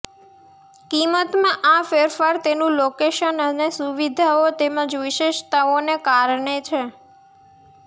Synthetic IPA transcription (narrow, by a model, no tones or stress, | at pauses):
kimət̪mãʔafeɾfaɾt̪enũlokeʃənənesuʋid̪ʱaot̪emãd͡ʒʋiʃeʃt̪aonekaɾɳet͡ʃʰe